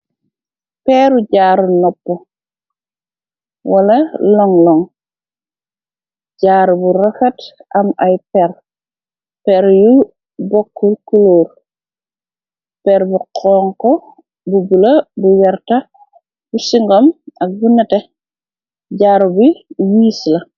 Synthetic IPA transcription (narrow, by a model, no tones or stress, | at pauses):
pɛɾuɟaːɾunɔpːɔ | wɐlɐlɔŋlɔŋ | ɟaːɾbuɾɔfɛtɐmajpɛɾ | pɛɾju | bɔkːulkuloːɾ | pɛɾbuqʰɔːŋkɔ | bubulɐbuwɛɾtɐ | busiŋɡɔmɐk̚bunɐtɛ | ɟaːɾubiwiːslɐ